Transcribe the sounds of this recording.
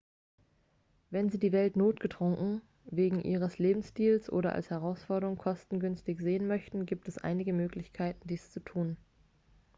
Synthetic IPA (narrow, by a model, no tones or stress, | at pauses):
vɛnziːdiːvɛltnoːtɡ̥ətʁ̥ʊŋkŋ̩ | veːɡŋ̩ʔḭːʁ̞əsleːbm̩sʃtiːlsʔo̰ːɾɐʔa̰lshɛʁ̞aʊsfɔɐɾəʁʊŋkʰɔstn̩ɡʏnstɪçz̥eːənmœçtn̩ɡiːp̚tɛsʔa̰ɪnɪɡəmøːklɪçkʰaɪtn̩diːst͡sutʰuːn